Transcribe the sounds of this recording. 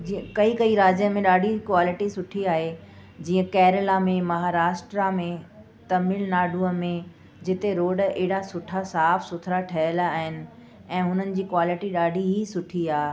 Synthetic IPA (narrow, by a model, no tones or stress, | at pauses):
d͡ʑikɐikɐiɾaːd͡ʑjənmẽɗaːɖikwaːlɪʈisʊʈʰiaːɦed͡ʑiːə̃kɛːɾɪlamẽmɐɦaːɾaːʃʈɾamẽ | t̪ɐmiːlnaːɖuəmẽ | d͡ʑɪt̪eɾoːɖeːɪɽasʊʈʰasaːfsʊt̪ʰɾaʈʰɐəlːɦɪnɪ̆ | ɛ̃ːɦʊnənɪ̆d͡ʑiːkwaːlɪʈiɗaːɖiɦisʊʈʰiaː